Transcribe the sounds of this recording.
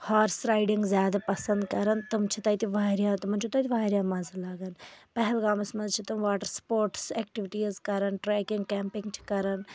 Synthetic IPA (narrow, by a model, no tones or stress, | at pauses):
haːɾsɾaːɪɖiŋɡzʲjaːd̪apɐsɐnd̪kɐɾɐnt̪ɐmt͡ʃʰit̪ɐjt̪iʋaːɾjãːt̪umɐnt͡ʃʰut̪ɐt̪ʰʲiʋaːɾʲjaːmɐzlaɡɐnpɐɦɛlɡaːmɐsmɐnzt͡ʃʰit̪ɐmʋaːʈəɾspoːɾʈseːk̚ʈiʋiʈiːzkɐɾɐnʈɾeːkɪŋɡkɛːmpɪ̃ŋɡt͡ʃʰi̥kɐɾɐn